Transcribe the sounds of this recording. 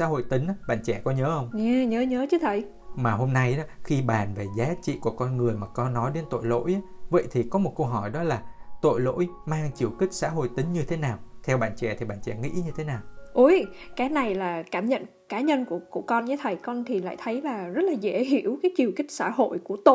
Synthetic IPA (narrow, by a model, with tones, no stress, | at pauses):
sa̰ː˧˥ho̰˧˨jt̪ï˨˦ŋ̟ʔaː˨˦ɓa̰ː˧˨nt͡ɕɛ˧˩kɔ˨˦ɲəː˨˦hə˧wŋ͡mɲɛ˧ɲəː˨˦ɲəː˨˦t͡ɕɨ˨˦t̪ʰə˨˩j | maː˨˩ɦo˧mna˧jʔaː˨˦xi˧ɓaː˨˩nve˨˩zaː˨˦t͡ɕḭ˧˨ku˧˩əkɔ˧nŋɨ˨˩əjmaː˨˩kɔ˧nːɔ˨˦jɗe˨˦nt̪o̰˧˨jlo̰˧˥jʔaː˦və̰˧˨jt̪ʰi˨˩kɔ˨˦m˨˩t̚kə˧wɦɔ˧˩jɗɔ˨˦laː˨˩t̪o̰˧˨jlo̰˧˥jmaː˧ŋt͡ɕi˨˩əwkï˦˥k̟̚sa̰ː˧˥ɦo̰˧˨jt̪ï˨˦ŋ̟ɲɨ˧t̪ʰe˨˦naː˨˩wt̪ʰɛ˧wɓa̰ː˧˨nt͡ɕɛ̰˧˩t̪ʰi˨˩ɓa̰ː˧˨nt͡ɕɛ̰˧˩ŋḭ˧˥ɲɨ˧t̪ʰe˨˦naː˨˩wʔu˧˩jkaː˨˦na˨˩jlaː˨˩kaː˧˩mɲə̰˧˨n | kaː˨˦ɲə˧nku˧˩əku˧˩əkɔ˧nɲa˧˨˦t̪ʰə˨˩jkɔ˧nt̪ʰi˨˩la̰ː˧˨jt̪ʰə˨˦jlaː˨˩zə˦˥t̚laː˨˩ze˧˩ɦi˧˩əwkaː˨˦jt͡ɕi˨˩əwkï˦˥k̟̚sa̰ː˧˥ɦo̰˧˨jku˧˩ət̪o˧